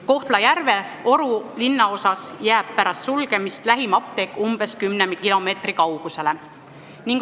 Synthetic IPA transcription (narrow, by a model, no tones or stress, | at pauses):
ko̞ht̪lɑjærve̞o̞ɾulinːɑo̞sɑsjæːb̥̚pæɾɑst̪sulɡ̥e̞mist̪læɦimɑp̚t̪e̞kːˑumb̥e̞skymnemkilo̞me̞ːt̪rikɑwɡ̥use̞le̞ | niŋɡk